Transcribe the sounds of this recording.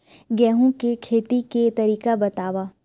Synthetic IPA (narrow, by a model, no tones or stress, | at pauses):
ɡɛːɦõkekʰeːt̪iket̪ɐɾiːkabɐt̪aːʋaː